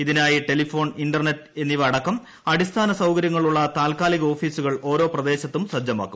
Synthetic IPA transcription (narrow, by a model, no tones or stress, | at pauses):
iðinaːjiʈe̞lifo̞ːɳinɖɐrnetːe̞nːiʋɐɽɐkːɐm | ɐɽist̪ʰaːnɐsɐwkɐɾjɐŋːɐɭuɭːɐt̪aːlkaːliɣɐo̞ːfiːsuɣɐɭo̞ːɾo̞ːprɐd̪e̞ːɕɐt̪ːumsrɐd͡ʑjɐma̰ːkːu̥m